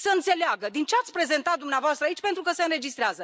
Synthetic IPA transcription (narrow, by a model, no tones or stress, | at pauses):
səɨnt̪se̞leaɡəd̪int͡ʃeat̪sʲpɾe̞ze̞nt̪at̪̚d̪umneavoast̪ɾait͡ʃʲpent̪ɾukəseɨnɾe̞d͡ʒist̪ɾeazə